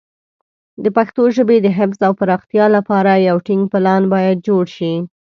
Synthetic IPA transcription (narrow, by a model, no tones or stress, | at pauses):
d̪əpaxt̪oʒəbed̪əɦɪfzawpaɾɑxt̪jɑlapɑɾajawʈɪŋɡ̚pɪlɑnbɑjad̪̚d͡ʒoɽʃi